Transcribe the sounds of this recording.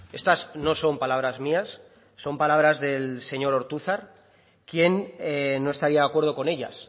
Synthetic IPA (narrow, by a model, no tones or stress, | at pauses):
e̞st̪asno̞so̞mpalaβɾazmiasː | o̞mpalaβ̞ɾazðe̞lse̞ɲo̞ɾo̞ɾt̪uθaɾ | kje̞nenːo̞e̞st̪aɾiaðakwe̞ɾðo̞ko̞ne̞ʎa̰s